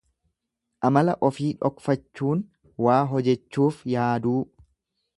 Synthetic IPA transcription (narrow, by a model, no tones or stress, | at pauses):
ʔɐmɐlɐʔɔfiːᶑɔkfɐt͡ʃːuːn | waːɦɔd͡ʒɛt͡ʃːuːfjaːd̪uː